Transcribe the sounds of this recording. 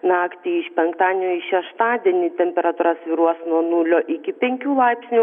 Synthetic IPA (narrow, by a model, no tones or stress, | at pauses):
nɑːkt̪ʲiːɪʃpʲɛŋkt̪ɑːd̪ʲnʲuɪʃʲɛʃt̪ɑːd̪ʲiɛnʲiːt̪ʲɛmʲpʲɛɾɐt̪uːɾɐsʋʲiːɾuɔsnuɔnʊlʲoːʔɪkʲɪpʲɛŋʲkʲuːlˠɐɪpʲsʲnʲu